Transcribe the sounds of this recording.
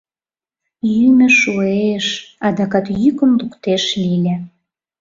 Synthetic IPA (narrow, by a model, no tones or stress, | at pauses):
jymɘ̆ʃueʃɑd̪ɑkɑt̪jykə̆mlukt̪eʃlilʲe